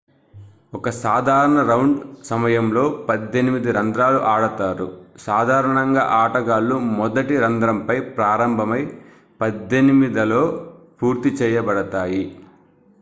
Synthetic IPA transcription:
ɔkɐsaːd̪ʱaːɾɐɳɐɾɐwɳɖsɐmɐjɐmlo̞ːpɐd̪ːe̞nimid̪iɾɐnd̪ɾaːluʔaːɽɐt̪aːɾusaːd̪ʱaːɾɐɳɐŋɡa̰ːʔaːʈɐɡaːlːumɔd̪ɐʈiɾɐnd̪ɾɐmpɐjpɾaːɾɐmbʱɐmɐj | pɐd̪ːenimid̪ɐlo̞ːpuːɾt̪it͡ʃɛːjɐbɐɽɐt̪aːji

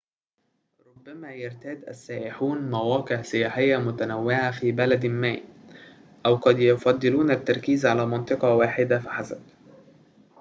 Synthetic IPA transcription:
ɾˤʊbːæmæːjɪɾt̪æːd̪ʔæ̰sːæːʔɪħuːnmæwæːqɪʕsɪjaːħɪjːæmʊt̪ænæwːɪʕafiːbælæd̪mæ̰ː | ʔæwqɑd̪jʊfɑd̪ˤːɨluːnæt̪ːɑɾˤkiːzʕalæːmɑnt̪ˤɨqɑwaːħɪd̪afaħasæ̰b̪

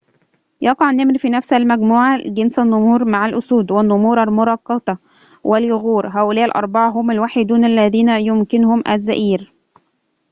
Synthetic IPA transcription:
jɑqɑʕnːɪmɾfiːnæfsælmæɡmuːʕaɡɪnsænːʊmuːɾmaʕalʔʊsuːd̪wɪnːʊmuːɾˤælmʊɾˤɑqːɑt̪ˤɑ | wʔɪljʊɣuːɾɦæːʔʊlæːʔɪlʔɑ̰ɾˤbɑʕɑɦʊmælwaːħed̪uːnælːæðiːnæjʊmkɪnʊhʊmʔæ̰zːæ̰ʔiːɾ

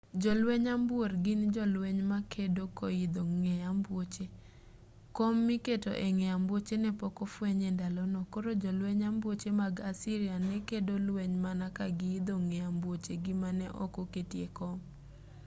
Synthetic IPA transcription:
d͡ʒɔlweɲambworɡɪnd͡ʒɔlweɲmakedokoid̪oŋejambwot͡ʃe | komːiketo̰ʔɛŋɛambwot͡ʃenɛpɔkɔfweɲendalɔnɔkoɾod͡ʒɔlweɲambwot͡ʃemaɡasiɾianɛkedolweɲmanakaɡɪid̪oŋɛambwot͡ʃeɡɪmanɛʔɔ̰koketjekɔm

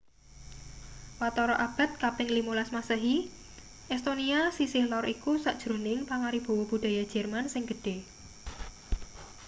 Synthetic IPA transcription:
wat̪ɔɾɔʔab̥a̤t̪̚kapɪŋlimolasmasəɦi | ʔɛst̪oniasisɪhlɔɾikusaʔd̥ʒ̥ɾonɪŋpaŋaɾib̥o̤wɔb̥ṳd̥a̤jad̥ʒ̥ɛ̤rmansɪŋɡ̥əɖ̥e̤

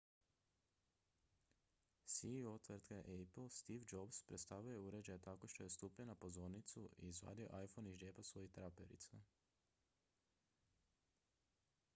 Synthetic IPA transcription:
sio̞t̪ʋɾt̪keʔepl̩ˠst̪iʋd͡ʒobspɾet̪st̪aːʋʎujeuɾe̞d͡ʑajet̪akoʃt̪o̞je̞st̪uːpɲenapo̞zo̞ɾnit̪suʔḭzʋa̰ːd̪io̰ʔajfoniʒeːpasʋo̞jixt̪ɾapḛɾḭt̪sa

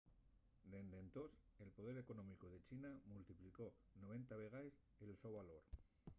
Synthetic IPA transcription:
d̪e̞nd̪e̞nt̪ose̞lpo̞ðe̞ɾe̞ko̞nõmikoð̞e̞t͡ʃinamult̪ipliko̞ | noβ̞e̞nt̪aβeɣ̞aes | elso̞βaloɾ

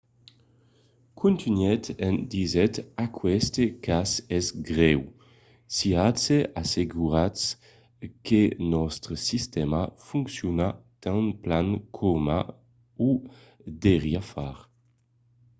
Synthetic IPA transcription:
kʰũnt̪inɛt̪ɛnd̪izɛt̪akʰwɛst̪ekasɛzɡʁɛw | siatseʔaseɡuɾas | kenɔst̪ɾəsist̪ɛmafuŋksjunat̪ãnplaŋkʰɔma̰ | u | d̪eʁjafaɾ

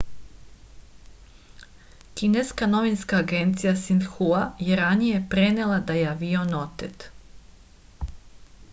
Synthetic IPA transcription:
kineskano̞ʋinskaːɡe̞nt̪sijasind̪xuajeɾanije̞pɾe̞nelˠad̪ajeaʋionot̪et̪

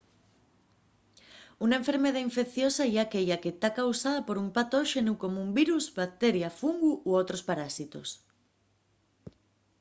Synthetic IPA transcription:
unaeɱfeɾmeð̞aiɱfekθjosaiakeʎaket̪akawsað̞apoɾumpat̪oʃenukomoumbiɾuzbak̚t̪eɾjafuŋɡuʔuowt̪ɾospaɾasit̪os

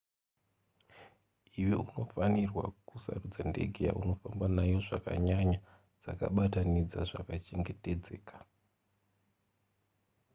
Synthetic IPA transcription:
iweuno̞fanirwa̰kusa̰rud͡zande̞̰ɡʱeja̰ʔuno̞fambanajo̞ʐaka̰ɲaɲa | d͡zaka̰ɓatanid͡zaʐakat͡ʃe̞ŋɡe̞te̞d͡ze̞ːkḁ

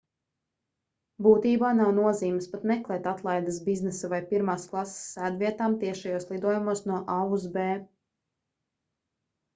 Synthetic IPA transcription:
buːt̪iːbaːnawnuɔziːmspat̪mɛklˠɛːt̪at̪lˠajd̪əsbiznɛsavajpiɾmaːsklˠassːæːd̪viɛt̪aːmt̪iɛʃajoɔslˠid̪uɔjumuɔsnuɔʔauzbɛː

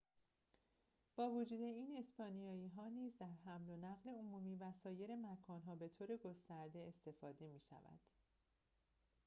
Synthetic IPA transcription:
b̥ɒːvod͡ʒuːd̪e̞iːne̞spɒːnijɒːiːɦɒːniːzd̪æɾɦæmlo̞næɣle̞omuːmiːvæsɒːje̞ɾe̞mækʰɒːnɦɒːbe̞t̪ʰoːɾe̞ɡo̞st̪æɾd̪e̞est̪e̞fɒːd̪e̞miːʃæ̰væ̰d̪̥

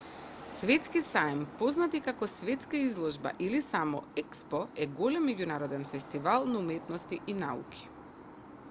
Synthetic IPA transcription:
svɛt̪skisajmpɔznat̪ikakɔsvɛt̪skaizlˠɔʒba̰ʔilisamɔ̰ɛkspɔɛɡolɛmːɛɟunaɾɔd̪ɛnfɛst̪ivalˠnaumɛt̪nɔst̪iʔinaṵkʰi̥

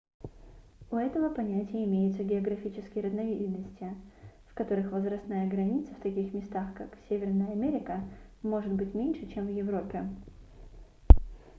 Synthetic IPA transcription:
ʊɛt̪əvəpɐnʲætʲɪjəɪmʲejʊt̪səɡʲɪɐɡɾɐfʲit͡ɕɪskʲɪjəɾəznɐvʲidʲɪd̪nəsʲtʲɪfkɐt̪o̞ɾɨxvəzvɾɐst̪najəɡɾɐnʲit̪səft̪ɐkʲixmʲɪst̪axkaksʲevʲɪrnəjəɐmʲeɾʲɪkəmo̞ʐɨt̪bɨtʲmʲenʲʂɨt͡ɕemvjɪvɾo̞pʲːɪ

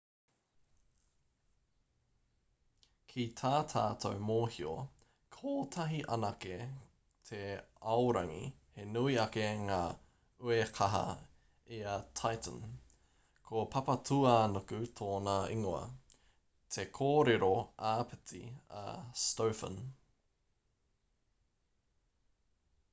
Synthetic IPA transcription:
kʰit̪ʰaːt̪ʰaːtʰowmoːhio̰ | kʰoːtʰɐɦiʔɐnɐke | t̪ʰeɐwɾɐŋḭhenuiɐkeŋaː | uekʰɐɦɐ̰ | eɐtʰajtə̰̃n | kʰopʰɐpɐtʰuanokʉt̪ʰoːnɐiŋoɐ̰ | t̪ʰekʰoːɾeɾoʔaːpet͡siɐ̰stowfə̰n

